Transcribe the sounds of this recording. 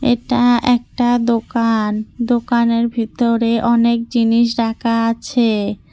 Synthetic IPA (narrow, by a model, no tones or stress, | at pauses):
ḛʈaɛk̚ʈad̪okand̪okaneɾbʱit̪oɾeʔɔnek̚d͡ʑiniʃ̬ɖakʰaat͡ɕʰe